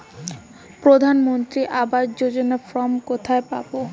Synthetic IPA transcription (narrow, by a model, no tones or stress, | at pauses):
pɾod̪ʱanmont̪ɾiʔabaɾd͡ʑod͡ʑonafɾɔmkot̪ʰaepa̰bo